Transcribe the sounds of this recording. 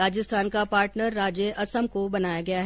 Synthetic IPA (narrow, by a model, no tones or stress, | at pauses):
aːd͡ʒəst̪ʰaːnkapaːɾʈnəɾːaːd͡ʒeʔɐsəmkobɐnaːjaɡɐjaɦ